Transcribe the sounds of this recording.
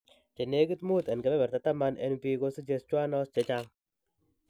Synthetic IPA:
t͡ʃe˨ne˨˦ɡi˦t̪mu˦t̪ɛ˨nkɛ˨bɛ˦bɛ˨ɾt̪a˨t̪a˦ma˦nʔḛ˦npi˦ɡo˦si˦d͡ʒe˧st͡ʃwa˦nɔ˦st͡ʃe˨˦t͡ʃa˦m

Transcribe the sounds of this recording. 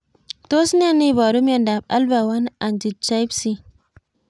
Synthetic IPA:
to˦si˦n˦a˦ni˦˨ba˨ɾu˦mja˨nda˨ba̰˦lba˨wa˦na˨nd͡ʒi˨t̚t͡ʃa˦i˦bsi˦

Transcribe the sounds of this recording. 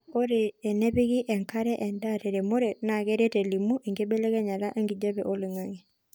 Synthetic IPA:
o˦ɾe˨ɛ˨nɛ˦βi˦ɣi˦ʔɛ˨ŋka˦ɾɛ˦ʔɛ˨nda˦tɛ˨ɾe˨mo˦ɾe˨na˨ɣɛ˦ɾe˦tɛ˨li˨mu˦ʔe˨ŋɡe˦be˦lɛ˦ɣɛ˦ɲa˨la˦ʔe˦ŋɡi˨d͡ʒa˦βɛ˨ʔo˦lɪ˨ŋa˦ŋi˨

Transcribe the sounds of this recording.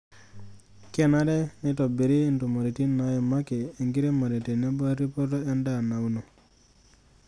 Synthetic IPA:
ke˦na˦dɛ˦ni˦to˨be˨ɾi˦nto˨ma˨ɾi˨ti˦nːa˦je˨ma˦keː˨ŋɡi˦ɾe˦ma˨ɾi˨ti˨ne˦ba˦ɾi˦po˦ɾto˦e˦nda˨na˨wno˨

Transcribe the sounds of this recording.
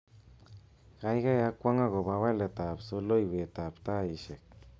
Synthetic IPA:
kajɡa˦jakwa˦ŋa˦ɣo˨bawa˦le˨t̪a˨psolo˦jwe˨t̪apt̪a˦iʃe˨k̚

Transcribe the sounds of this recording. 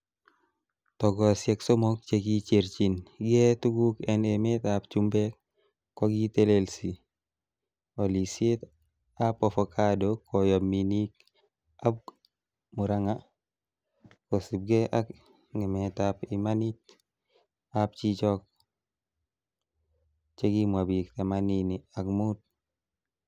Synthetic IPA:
tɔ˨ɡɔ˨sje˨kso˦mo˦k̚t͡ʃe˦ki˦t͡ʃe˨ɾt͡ʃi˨nɡe˦tu˦ɡu˦kɛ˨ne˨met̪apt͡ʃu˦mbɛ˦k | kːɔ˦ɡi˦t̪e˦le˦lsi | o˨li˨se˦t̪ | a˦pɔ˨fɔkʰadokʰɔ˨jo˨mi˨ni˦k̚ | ab̚ | mu˨ɾaŋa | kosu˨b̚ɡeʔak | ŋe˨metapimanit | ap̚t͡ʃit͡ʃɔk̚ | t͡ʃe˦ɡimwabikt̪amaniniakmut̚

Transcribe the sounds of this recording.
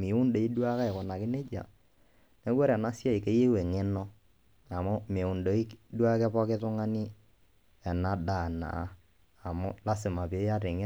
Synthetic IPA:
mɪ˨˦ʊ˦nde˨i˦dwa˦ka˦ɛ˨kɔ˨na˨kɪ˦ne˦t͡ʃa̰˨ | nɛ˦wɛ˦ɾɛ˨na˦sja˦ɪ˨ke˦je˦we˨ŋe˦nɔ˦ | a˨mʊ˦mɪ˨ʊ˨ndo˨˦i˦kdwa˦kɛ˦pɔ˦kɪ˦tʊ˦ŋa˦nɪ˦ | ɛ˨na˨da˨na̰˨˦ | a˨mʊ˦la˦sɪ˨ma˨pi˨e˦ja˦tɪ˨ŋɪ˦

